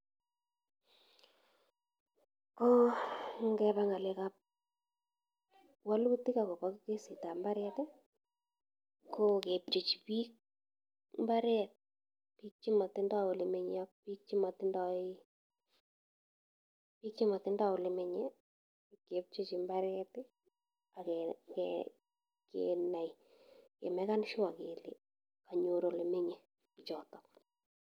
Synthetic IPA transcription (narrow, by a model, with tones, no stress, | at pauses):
ko˦ŋɡɛ˧pa˦ŋa˨le˦ka˦p̚ | wa˦lu˦tɪ˦ka˨ko˨pa˦kke˦si˨ta˨mba˦ɾɛ˦tɛ˦ | ko˦ke˨p̚t͡ʃo˨t͡ʃi˨pi˦k̚ | mba˦ɾɛ˦t̚ | pi˦k̚t͡ʃi˦mɔ˨tɪ˦ndɔ˦o˨le˨me˨ɲɔ˦k̚pi˦k̚t͡ʃi˦mɔ˨tɪ˦ndɔ˦i˦ | pi˦k̚t͡ʃi˦ma˨tɪ˦nda˦o˨le˨me˨ɲɛ | ke˨p̚t͡ʃo˦t͡ʃi˨mba˦ɾɛ˦tɪ˦ | a˨kɛkɛ | kḛna˨j | kḛ˨mɛ˦ka˦nʃʊ˦a˨ke˨lḭ˨ | ka˨ɲo˨ɾo˨le˨me˦ɲe˨ | it͡ʃɔː˨tɔ